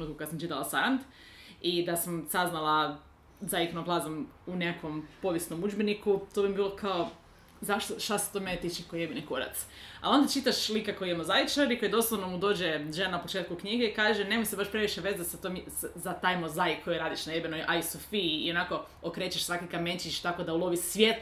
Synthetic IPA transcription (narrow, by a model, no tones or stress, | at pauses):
enuːt̪kukad̪s̬amt͡ʃit̪alˠasaɾant̪ | id̪asamsaznalˠa | zajiknoɡlˠazamuneako̞mpo̞ʋjesnomud͡ʒbenikut̪obimbiːlˠo̞kʰao | zaʃt̪oʃt̪ase̥t̪ome̞net̪it͡ʃekojebinikoɾa̰t̪sa̰lo̞nd̪at͡ʃit̪aʃlˠikakojijemozajit͡ʃaɾiko̞jd̪o̞slˠaʋnomud̪o̞ːd͡ʑeʒenanapo̞t͡ʃeːt̪̚kukɲiɡeikaːʒenemojsebaʃpɾe̞ʋiʃeʋe̞zasat̪omjszat̪ajmozajikʰojoɾaːd̪iʃnajebinojʔajisofḭːo̞nako̞ | okɾet͡ɕeʃsʋakikamet͡ʃit͡ʃt̪ako̞d̪aulˠo̞ʋisʋjet̪